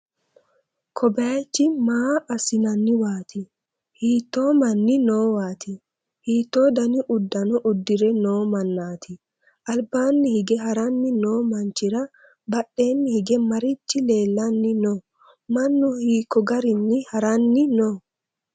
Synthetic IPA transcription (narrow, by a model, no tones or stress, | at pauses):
kʰɔbɐjɐt͡ʃːɪmaːɐsɪnɐnːɪwaːt̪ɪ | hiːt̪ːo̞ːmɐnːɪnoːwaːt̪ɪ | hiːt̪ːo̞ːd̪ɐnɪʔʊd̪ːɐnɔʔʊd̪ːɪɾɛnoːmɐnːaːt̪ʰɪ | ʔɐlbaːnːɪhɪɡɛɦɐɾɐnːɪnoːmɐnt͡ʃːɪɾɐ | bɐɗːe̞ːnːɪhɪɡɛmɐɾɪt͡ʃːɪle̞ːlːɐnːɪno | mɐnːʊhiːkːɔɡɐɾɪnːɪhɐɾɐnːɪnoː